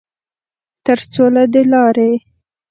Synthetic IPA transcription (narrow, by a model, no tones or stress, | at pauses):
t̪əɾt͡solad̪əlɑɾe